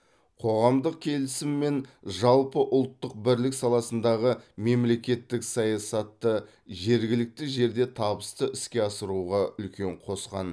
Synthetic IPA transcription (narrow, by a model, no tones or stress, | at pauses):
qʰo̞ʁɑmd̪əq̚kʲʰe̞lɪsɪmːe̞nʒɑlˠpəʔʊlˠt̪ːəq̚bɪɾlɪksɑlˠɑsənd̪ɑʁəme̞mle̞kʲe̞t̪ːɪksɑjɑsɑt̪ːə | ʒe̞ɾɡʲɪlɪk̚t̪ɪʒe̞ɾd̪e̞t̪ʰɑbəst̪əʔɪskʲe̞ɑsəɾuʁɑʏlkʲʰe̞ɴqʰo̞sqɑ̰n